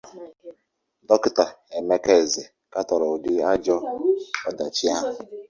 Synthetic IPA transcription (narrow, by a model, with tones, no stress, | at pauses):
dɔ˦kɪ˦ta˨e˨me˦ke˦˨zɪ˨ | ka˦tɔ˨ɾɔ˨dɪ˦a˦d͡ʒɔ˦ɔ˦da˨t͡ʃi˦a˦ɦʊ˨